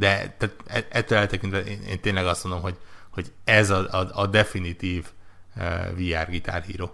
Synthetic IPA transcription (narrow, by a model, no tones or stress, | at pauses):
d̪ɛt̪aːt̪ɛɛt̪ːølɛlt̪ɛkint̪ʋɛʔeːnḛːnt̪eːnlɛɡɒst̪mo̞nd̪o̞mɦo̞ɟhoɟɛzɒɒɒd̪ɛfinit̪iːv | viaːrɡit̪a̰ːrɦḭːɾoː